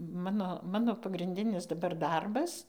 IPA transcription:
ˈmɑːnoː ˈmɑːnoː pɐɡrʲɪnʲˈdʲɪnʲɪs dɐˈbɐr ˈdɐrbɐs

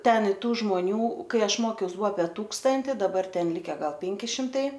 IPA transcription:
ˈtʲɛn ɪ ˈtuː ʒmoːˈnʲuː ˈkɐɪ ˈɐʃ ˈmoːkʲɛʊs ˈbʊɐ ɐpʲiɛ ˈtuːkstɐnʲtʲɪ dɐˈbɐr ˈtʲɛn ˈlʲɪkʲɛ ˈɡɐlˠ ˈpʲɛŋʲkʲɪ ʃʲɪmtˈɐɪ

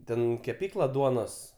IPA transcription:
ˈtʲɛn kʲɛˈpʲiːklˠɐ ˈduɔnoːs

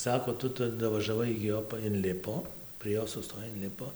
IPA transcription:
ˈsɑːkoː ˈtʊ ˈtʊ dɐʋɐʒɐˈʋɐɪ ɪɡʲɪ ˈjoː pɐ ɪnʲˈlʲɪpoː pʲrʲiɛ ˈjoː sʊˈstoːj ɪnʲˈlʲɪpoː

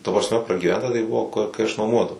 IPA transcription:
tɐ prɐsʲˈmʲɛ prɐɡʲiːˈʋʲɛntɐ tɐɪ ˈbʊʋoː kʊ kɐɪ ɐʃ nuɔˈmuɔdɐʋɐʊ

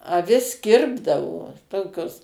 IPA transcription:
ɐˈʋʲɪs ˈkʲɪrbdɐʋoː ˈtoːkʲoːs

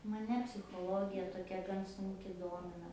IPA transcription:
mɐˈnʲɛ pʲsʲɪxoːˈlˠoːɡʲɪjɛ toːˈkʲɛ ɡɐn sʊŋʲˈkʲɪ ˈdoːmʲɪnɐ

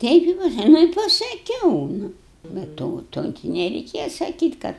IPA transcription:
ˈtʲɛɪp ɪ ˈpɑːsɐ ˈnʊ ɪ pɐsɐˈkʲɛʊ ˈnʊ bʲɛ ˈtoː ˈtoː ɡʲɪ nʲɛrʲɛɪˈkʲeːjɛ sɐˈkʲiːtʲ ˈkɐt

